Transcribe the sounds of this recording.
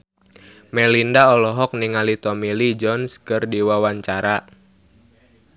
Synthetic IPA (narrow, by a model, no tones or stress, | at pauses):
mɛlindaɔlɔɦɔk̚niŋalit̪ɔmilid͡ʒɔnskɨrdiwawaɲt͡ʃaɾa